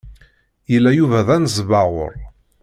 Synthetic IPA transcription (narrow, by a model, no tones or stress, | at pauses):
jəlːæjuvæðænzvaʁʊ̰ɾˤ